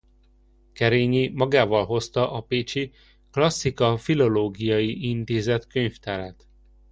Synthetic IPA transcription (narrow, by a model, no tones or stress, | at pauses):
kɛɾeːɲimɒɡaːvɒlɦo̞st̪ɒʔɒpeːt͡ʃi | klɒsːikɒfilo̞loːɡijɒjiʔint̪eːzɛt̪køɲft̪ɛɾɛt̪